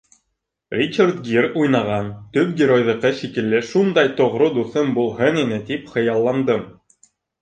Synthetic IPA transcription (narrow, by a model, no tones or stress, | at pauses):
rʲit͡ɕart̪ɡirujnɑʁɑnt̪ɵp̚ɡʲɪɾojðɤ̆qɤʃikɘ̆lːɘʃund̪ɑjt̪ŏʁɾod̪uθɤnbulˠɦɤninɘt̪ipχɤ̆jɑlˠːɑnd̪ɤm